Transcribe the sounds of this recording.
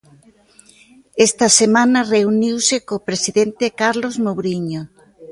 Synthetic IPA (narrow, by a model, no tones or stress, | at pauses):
est̪ɐsemãnɐreuniwsekopɾesiðent̪ekaɾlozmowɾiɲo